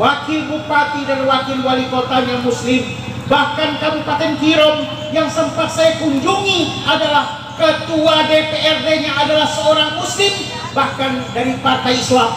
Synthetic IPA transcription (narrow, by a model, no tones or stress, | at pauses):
wakɪlbupat̪idanwakɪlwalikot̪aɲamuslɪm | bahkankabupat̪ɛnkiɾɔm | jaŋsəmpat̪̚sajakuɲd͡ʒuŋiadalah | kət̪uadepeɛrdeɲaːdalahsəoɾaŋmuslɪm | bahkandaɾipart̪ajislam